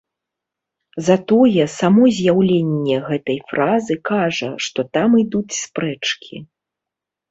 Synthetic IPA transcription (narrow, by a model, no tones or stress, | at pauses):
zat̪ɔjɛsamɔzʲjawlʲenʲːɛɣɛt̪ɐjfɾʔazɨkaʐɐʂt̪ɔt̪amɨd̪ut͡sʲspɾɛt͡ʂkʲi